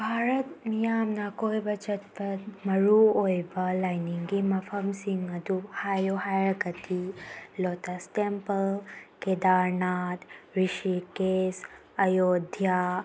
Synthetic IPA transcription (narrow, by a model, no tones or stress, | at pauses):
bʱaːɾɐt̪mijaːmnakoːjbɐt͡ʃɐt̪̚pɐmɐɾuojbɐlajniŋɡimɐfʰɐmsiŋɡɐd̪uhaːjoɦaːjəɡɐt̪iloːt̪astempəlkeːd̪aːɾnaːt̪ɾiʃikeːs | ɐjoːd̪ʱja